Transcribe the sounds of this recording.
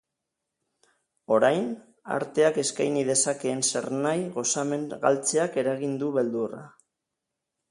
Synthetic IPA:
o̞ɾajn | a̰ɾt̪e̞ake̞skajnið̞e̞sake̞ːnse̞ɾnajɣo̞sameŋɣa̰lt͡se̞ake̞ɾaɣind̪uβe̞ld̪ura̰

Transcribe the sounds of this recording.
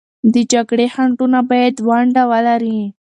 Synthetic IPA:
d̪əd͡ʒaɡɽehaɳʈunabɑjad̪waɳɖawəlaɾi

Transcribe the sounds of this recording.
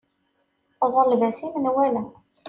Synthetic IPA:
ðˤəɾlvæsimənwælæ

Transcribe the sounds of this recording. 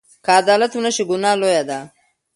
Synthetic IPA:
kaːd̪aːlat̪unaʃiɡʊnɑːlojad̪a

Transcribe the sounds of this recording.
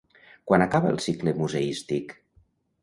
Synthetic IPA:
kwanakaβəə̰lˠsikləmuzəist̪ik

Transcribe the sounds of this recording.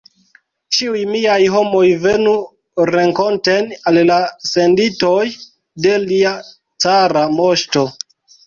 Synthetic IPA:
t͡ʃiujmiajɦo̞mo̞jve̞nu | ɾe̞ŋko̞ntenallase̞ndito̞j | de̞lia | t͡saɾamo̞ʃto̞

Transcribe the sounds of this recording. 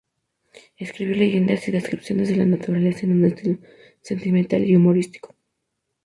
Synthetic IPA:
e̞skɾiβjo̞le̞ʝe̞nd̪asiðe̞skɾipsjo̞ne̞zðe̞lanat̪uɾale̞saenũne̞st̪ilo | se̞nt̪ime̞nt̪a̰liumo̞ɾist̪i̥ko̥

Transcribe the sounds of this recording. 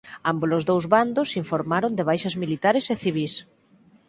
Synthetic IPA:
ambolozðowzβand̪ʊsiɱfoɾmaɾond̪eβ̞ajʃɐzmilit̪aɾɪseθiβ̞is

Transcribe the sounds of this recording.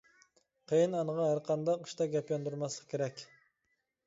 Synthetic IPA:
qʰejɨnɑnəʁɑɦæɾqʰɑnd̪ɑqʰːə̥ʃt̪ɑɡʲɛpjɑnd̪uɾmɑslˠəqkʲʰeɾɛkʲ

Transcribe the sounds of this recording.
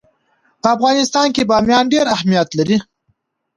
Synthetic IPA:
pəafɣɑnɪst̪ɑnkebɑmjɑnɖeɾahmijat̪laɾi

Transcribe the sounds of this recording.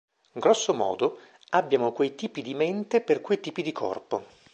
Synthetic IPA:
ŋɡɾɔsːomɔ̰ːd̪o | abːjaːmokwejt̪iːpid̪iment̪eperkwejt̪iːpid̪ikʰɔ̰rpo

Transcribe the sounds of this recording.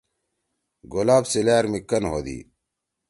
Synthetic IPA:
ɡolaːbsilaːɾmikːɐnɦo̰ːd̪ḭː

